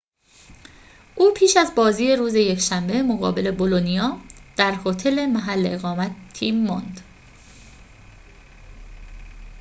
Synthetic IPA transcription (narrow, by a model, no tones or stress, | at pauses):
ʔuːpʰiːʃæzbɒːziːeɾuːze̞je̞cʃæmbe̞mo̞ɣɒ̰ːbe̞le̞bo̞lonijɒːd̪̥æɾhot̪ʰe̞le̞mæɦælːeeɣɒːmæt̪ʰːiːmːond̪̥